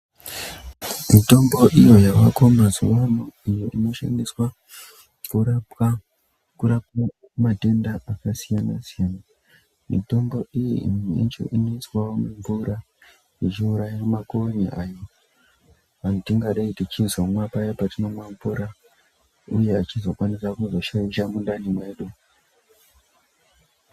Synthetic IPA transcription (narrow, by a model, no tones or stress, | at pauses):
mito̞mbo̞ʔijo̞jawako̞mazuʋanoijoʔino̞ʃa̰ndiswa | kuɾaa | kuɾapwaumate̞ndaʔakasijana̰sijaːna | mḭto̞mbo̞ijiḭmiḛnt͡ʃo̰ʔinoiswawomuɱvuɾa | it͡ʃiuɾajamakoɲiʔajo | ʋanotiŋɡaɗaitit͡ʃinzwamwapajapatino̞mwaɱvuɾa | uje̞at͡ʃizo̞kwanisakuzo̞ʃajiʃamundanimwe̞ːɗu